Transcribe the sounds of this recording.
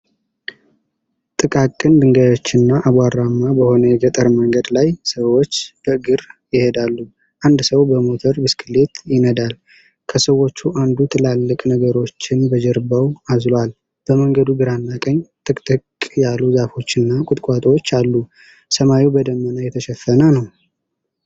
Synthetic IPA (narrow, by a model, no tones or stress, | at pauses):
t̪ʼɨkʼakʼːɨnd̪ɨŋɡajo̞t͡ʃːɪnːaʔaβaɾamːabəho̞nəjɛɡət̪ʼəɾməŋɡəd̪lajsəwot͡ʃːb̥əɨɡɨɾjɪhed̪alːu | ʔand̪səwbəmo̞t̪ʰəɾbɨskʰɨle̞t̪jɪnəd̪al | kʰəsəwo̞t͡ʃːuʔand̪ut̪ʰɨlalːɨkʼnəɡəɾo̞t͡ʃːɪnbəd͡ʒəɾbəwazlal | b̥əməŋɡəd̪uɡɨɾanːakʼəɲt̪ʼɨkʼt̪ʼɨkʼjalːuzafo̞t͡ʃːɨnːakʼʊt̪ʼkʼat̪ʼot͡ʃːalːu | səmajibəd̪əmːənajɛt̪ʰəʃɛfːənənəw